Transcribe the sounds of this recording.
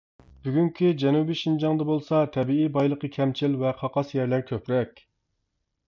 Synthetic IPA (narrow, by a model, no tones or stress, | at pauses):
b̥yɡʲyŋkʲʰid͡ʒɛnubiʃind͡ʒɑŋd̪ɑbolˠsɑt̪ʰɛbiibɑjlˠəqəkʲʰɛmt͡ʃʰilvɛqʰɑqɑsjæɾlæɾkʲʰøpɾɛkʲ